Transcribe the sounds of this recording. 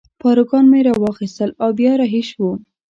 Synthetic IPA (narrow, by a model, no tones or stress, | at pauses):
pɑɾuɡɑnmeɾɑwɑxist̪əlɑwbjɑɾɑɦiʃwu